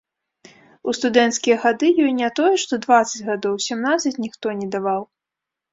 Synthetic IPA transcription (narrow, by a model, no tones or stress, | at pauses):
ust̪ud̪ɛnt̪skʲijɛɣad̪ɨjɔjnʲat̪ɔjɛʂt̪ɔd̪vat̪sɐd͡zʲɣad̪ɔwsʲɛmnat̪sɐt͡sʲnʲixt̪ɔnʲɛd̪avaw